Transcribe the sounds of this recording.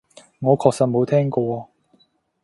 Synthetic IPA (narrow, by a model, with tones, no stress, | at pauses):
ŋɔː˨˧kʰɔː˧k̚sɐ˧t̚mo˨˧wt̪ʰɛː˥ŋkɔː˧